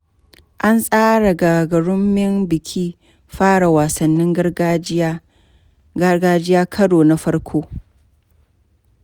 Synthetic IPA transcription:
ʔa˦nsʼaː˦ɽa˨ɡaː˨ɡɐ˨ɽʊ˦mːɪ˦mbɪ˨kʲʰiː˦ | ɸaː˦ɽa˨waː˨sɐ˨nːɪ˦ŋɡɐ˦ | ɡɐ˦ɡaː˦d͡ʒɪ˦jaː˦kʰɐ˦ɽoː˨na˦ɸɐ˦ɽkʷʰoː˦

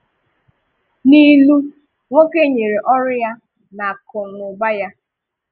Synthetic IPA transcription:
ni˦lu˦ | ŋʷo˦ke˦ɲe˨ɾe˨ʔɔ˦ɾʊ˦ja˦ | na˨kʊ˨nʊ˨ɡ͡ba˦ja˦

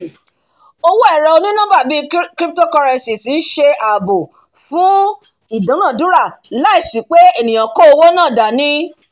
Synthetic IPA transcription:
o˧wo˦ɛ˦˨ɾɔ˨o˧nĩ˦nã˦ba˦˨bi˦kɾi˦p̚to˦kɔ˧ɾɛ̃˧nsi˨si˨˦n̩˦ʃe˧ʔa˨bo˨ | fũ˦ | i˨dã˨˦nã˦˨dũ˨˦ɾa˦˨la˦i˦˨si˨˦k͡pe˦e˦˨nĩ˨j̃ã˨kɔ˦o˧wo˦nãː˦˨da˨nĩ˦

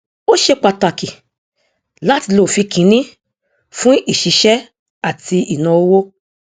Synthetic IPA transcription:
o˦ʃe˧k͡pa˧ta˨ki˨ | la˦ti˧lo˨fi˧kʰĩ˨˦nĩ˦ | fũ˦i˦˨ʃi˨˧˦ʃɛ˦ | a˦˨ti˧i˨nã˧o˧˦wo˦

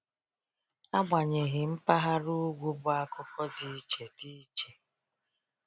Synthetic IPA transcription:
a˦ɡ͡ba˨ɲe˨ɦɪ˨m̩˦pa˦ɦa˦ɾu˦ɡʷu˦bʊ˦a˦kʊ˦kɔ˦di˦t͡ʃe˨ti˦t͡ʃe˨

